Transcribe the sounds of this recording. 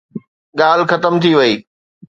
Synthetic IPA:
ɠaːl̤xɐt̪əmt̪ʰiʋɐiː

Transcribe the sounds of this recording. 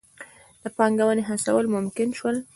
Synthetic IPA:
d̪̥əpɑŋɡawəneɦasa̰wəlmʊmkɪnʃwəl

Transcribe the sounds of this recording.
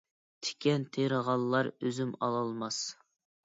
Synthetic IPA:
t̪ʰe̥kʲɛnt̪ʰeɾəʁɑlˠːɑɾøzymɑ̰lˠɑlˠmɑs

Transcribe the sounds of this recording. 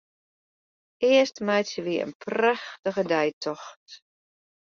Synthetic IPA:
ɪəstmɛjtsəʋiəə̰npʰraxtəɣədɛjtʰɔxt

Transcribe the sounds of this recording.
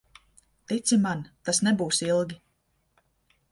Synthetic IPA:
t̪it̪simant̪asnɛbuːsilˠɡʲi

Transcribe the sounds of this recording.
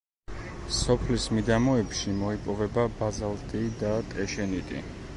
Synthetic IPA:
sɔpʰlismid̪amɔɛpʃimɔipʼɔvɛbabazalˠt̪ʼid̪at̪ʼɛʃɛnit̪ʼḭ

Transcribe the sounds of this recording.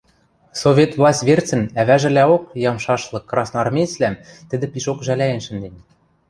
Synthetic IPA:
sovʲet̪vlˠɑsʲtʲβʲert͡sɘ̆næβæʒɘ̆læokjɑmʃɑʃlˠɤ̆kːrɑsnɑrmʲet͡slæmt̪ɘ̆d̪ɘ̆pʲiʃokʒælʲæjɘ̆nʃɘ̆nd̪enʲ

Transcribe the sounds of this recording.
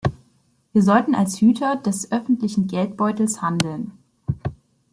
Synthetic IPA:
viːɐzɔltn̩alshyːtʰɐdɛsʔœfn̩tlɪçn̩ɡɛltb̥ɔʏtl̩shandl̩n

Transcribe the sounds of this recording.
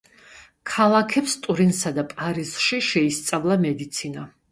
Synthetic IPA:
kʰalˠakʰɛpst̪ʼuɾinsad̪apʼaɾizʃiʃɛist̪sʼavlˠamɛd̪it̪sʰina

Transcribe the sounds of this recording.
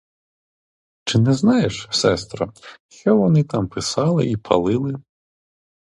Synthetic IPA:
t͡ʃɪnɛznɑjeʃsɛst̪ɾɔʃt͡ʃɔʋɔnɪt̪ɑmpʰɪsɑlˠɪ̰ipʰɐ̰lˠɪlˠɪ

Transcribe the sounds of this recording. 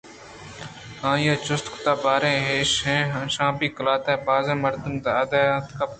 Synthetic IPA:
hãːjaːt͡ʃʊst̪kt̪aːbaːɾẽːɦeːʃɦẽːɦãʃãːpiːkəlaːt̪eːbaːzẽːməɾd̪əmt̪aːad̪aːjaːt̪kap

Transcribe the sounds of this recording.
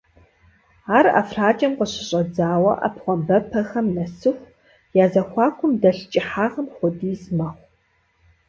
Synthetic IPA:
aːra̰fraːt͡ʃʼɐmqəɕɪɕʼɐd͡zaːwɐʔa̰pχʷɔmbɐpʰɐxɐmnɐsɨxʷ | jaːzɐxʷɑːkʷʊmdɐɬt͡ʃʼɪħaːʁɐmχʷʊdiːsmɐχʷ

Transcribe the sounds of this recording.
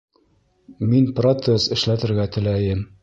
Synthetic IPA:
minprot̪sesɘ̆ʃlæt̪ɘ̆ɾɡæt̪ɘ̆læjɘm

